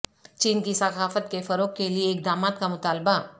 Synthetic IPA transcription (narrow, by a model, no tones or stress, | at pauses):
t͡ʃiːnkisɐkʰaːfət̪kefɐɾoːkːelieɪk̚d̪aːmaːt̪kamʊt̪aːlba